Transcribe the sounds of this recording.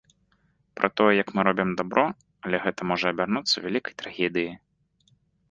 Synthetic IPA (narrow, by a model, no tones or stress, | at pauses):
pɾʔɐ̰t̪ɔjɛjɐkmɨɾɔbʲimd̪abɾʔɔ | ɐlʲɛɣɛt̪ɐmɔʐɐɐbʲarnut̪sːɐvʲalʲikɐ̥jt̪ɾaɣʲɛd̪ɨji